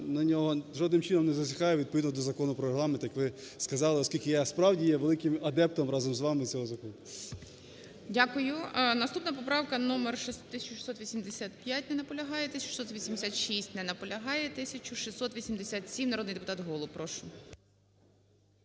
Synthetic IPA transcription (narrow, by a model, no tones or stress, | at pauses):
nɐnʲɔɦɔʒɔd̪nɪmt͡ʃɪnɔmnɛzɐsʲɪkɑjʊʋʲid̪̚pɔʋʲid̪nɔɔd̪ɔzɐkɔnʊpɾɔɾeɦlˠɑment̪jɐkʋɪskɐzɑlˠɪɔskʲilʲkɪjaspɾɑwdʲijɛʋelˠɪkɪmɐd̪ɛp̚t̪ɔmɾɑzɔmzʋɑmɪt͡sʲɔɦɔzɐkɔnʊ | dʲakʊjʊnɐst̪upnɐpɔpɾɑwkɐnɔmerʃt̪ːɪsʲɐt͡ʃʊ̥ʃi̥sɔt̪ʋʲisʲimd̪esʲat̪pʲjat̚ʲnɛnɐpɔlʲɐɦɑjɛt̪ɪsʲt͡ʃʊʃi̥sɔt̪ʋʲisʲimd̪ʲɪsʲat̪ʃisʲtʲnɛnɐpɔlʲɐɦɑjɛt̪ɪsʲɐt͡ʃʊʃisɔt̪ʋʲisʲimd̪esʲat̪sʲimnɐɾɔd̪nɪjd̪epʊt̪ɑt̪ɦɔlˠʊpɾɔʃʊ